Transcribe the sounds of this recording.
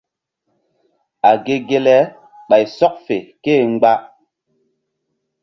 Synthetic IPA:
a˨ɡe˦ɡe˦lɛ˦ | ɓa˨jsɔ˦k̚fe˨keː˦˨ŋ͡mɡ͡ba˦

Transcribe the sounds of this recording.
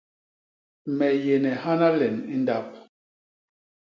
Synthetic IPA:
mɛ˨je˨nɛ˨ha˦na˦lɛ˨ni˦nda˦p̚

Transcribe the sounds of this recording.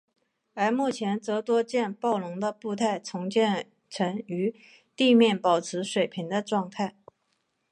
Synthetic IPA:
ə˞˧˥mu˥˩t͡ɕʰjɛ˧˥nt͡sɤ˧˥t̪wɔ˥t͡ɕjɛ˥˧npɑ˥˩ʊlʊ˧˥ŋd̪ə˧pu˥˧t̪ʰa˥˩ɪt͡sʰʊ˧˥ŋt͡ɕjɛ˥˩n | ʈ͡ʂʰɤ˧˥ŋy˧˥ | t̪i˥˧mjɛ˥˩npɑ˨˩ʊt͡sʰɹɻ̩˧˥ʂwe˨˩ɪpʰi˧˥ŋd̪ə˧ʈ͡ʂwɑ˥˧ŋt̪ʰa˥˩ɪ

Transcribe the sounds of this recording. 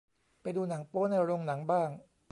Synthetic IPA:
pa˧jduː˧na˩˦ŋpoː˦˥na˧jɾo˧ŋna˩˦ŋbaː˥˩ŋ

